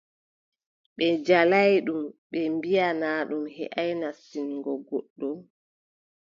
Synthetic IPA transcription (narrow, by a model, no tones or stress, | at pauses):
ɓɛd͡ʒalajɗumɓɛmbijanaːɗumhɛ̰ʔajnasiŋɡɔɡoɗːum